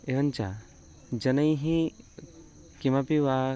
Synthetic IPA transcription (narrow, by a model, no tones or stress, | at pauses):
eʋɐnt͡ʃa | d͡ʒɐnɐjɦĩ | kimapiʋaː